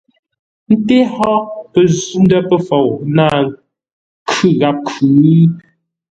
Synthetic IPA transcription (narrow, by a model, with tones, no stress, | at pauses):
n̩˦te˦hɔ˦pə˨zu˦n˦də˦pə˦˨fɔ˨wna˦˨ | kʰʉ˦ɣa˨p̚kʰʉ˨˦